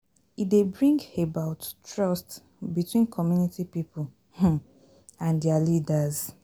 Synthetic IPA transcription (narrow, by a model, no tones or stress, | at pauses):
idebɹĩŋɡebaʊttɹɔst | bitwĩnkʰɔmjunitipipul | ãndɛalidaz